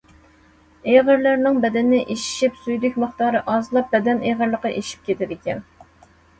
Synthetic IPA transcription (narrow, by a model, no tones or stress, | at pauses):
eʁəɾlæɾnɪŋbɛd̪ɛnːɪʔeʃi̥ʃipsujd̪ykʲməχt̪ɑːɾɨʔɑzlˠɑp̚bɛd̪ɛneʁəɾlˠəqɑʔeʃi̥p̚kʲet̪ʰɪd̪ɪkʲɛn